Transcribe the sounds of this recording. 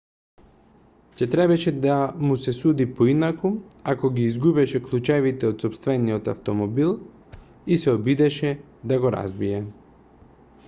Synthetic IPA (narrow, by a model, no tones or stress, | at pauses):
cɛt̪ɾɛbɛʃɛd̪amusɛsud̪ipoinakuakɔɡiːzɡubɛʃɛklˠut͡ʃɛvit̪ɛot̪sɔpst̪vɛniot̪a̰ft̪ɔmɔbilˠ | isɛobid̪ɛʃɛ | d̪aɡoɔɾa̰zbijɛ